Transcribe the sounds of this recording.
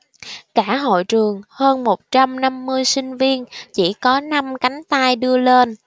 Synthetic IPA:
kaː˧˩ɦo̰˧˨jt͡ɕɨ˨˩əŋhəː˧nmo˨˩t̚t͡ɕa˧mna˧mːɨ˧əjsï˧ŋ̟vi˧ənt͡ɕḭ˧˩kɔ˨˦na˧mka˨˦jŋ̟t̪aː˧jɗɨ˧əle˧n

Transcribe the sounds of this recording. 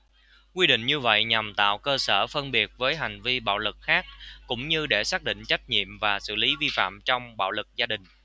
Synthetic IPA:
kwi˧ɗḭ˧˨ŋ̟ɲɨ˧və̰˧˨jɲa˨˩mt̪a̰ː˧˨wkəː˧səː˧˩fə˧nɓi˨˩ət̚vəː˨˦jɦa˨˩jŋ̟vi˧ɓa̰ː˧˨wlɨ˨˩k̚xaː˦˥k̚kʊ̰˧˥ŋ͡mɲɨ˧ɗe˧˩saː˦˥k̚ɗḭ̈˧˨ŋ̟t͡ɕa˦˥jk̟̚ɲḭ˧˨əmvaː˨˩sɨ̰˧˨li˨˦vi˧fa̰ː˧˨mt͡ɕɔ˧wŋ͡mɓa̰ː˧˨wlɨ˨˩k̚zaː˧ɗï˨˩ŋ̟

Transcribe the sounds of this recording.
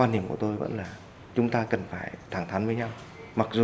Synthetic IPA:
waː˧nhi˧˩əmku˧˩ət̪o˧jvə̰˧˥nlaː˨˩ | t͡ɕʊ˨˦ŋ͡mt̪aː˧kə˨˩nfaː˧˩jt̪ʰaː˧˩ŋt̪ʰa˨˦nvəː˨˦jɲa˧w | ma˨˩k̚zu˨

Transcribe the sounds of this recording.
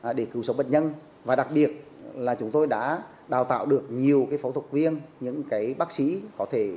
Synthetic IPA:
ɗe˧˩kɨ˨˦wsə˨˦ŋ͡mɓə̰˧˨ɲə˧n | vaː˨˩ɗa˨˩k̚ɓi˨˩ət̚ | laː˨˩t͡ɕʊ˨˦ŋ͡mt̪o˧jɗa̰ː˧˥ | ɗaː˨˩wt̪a̰ː˧˨wɗɨ˨˩ək̚ɲi˨˩əwkaː˨˦jfa˨˦wt̪ʰʊ˨˩k͡p̚vi˧ənɲɨ̰˧˥ŋkaː˨˦jɓaː˦˥k̚sḭ˧˥kɔ˨˦t̪ʰe˧˩

